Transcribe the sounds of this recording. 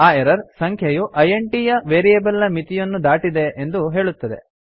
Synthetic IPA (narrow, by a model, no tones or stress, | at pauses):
aːeɾɐɾsɐŋkʰjɐjuʔɐjeɳʈijɐʋeːɾijebɐlɐmit̪ijɐnːud̪aːʈid̪e̞end̪uɦe̞ːɭut̪ːɐd̪e̞̰